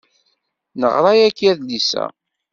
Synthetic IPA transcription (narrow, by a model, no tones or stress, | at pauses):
nə̰ʁɾˤɑjækːæðlisæ̰